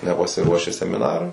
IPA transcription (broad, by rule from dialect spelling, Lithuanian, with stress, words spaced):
nʲɛpɐsʲɪˈruɔʃʲɪ sʲɛmʲɪˈnɑːrʊɪ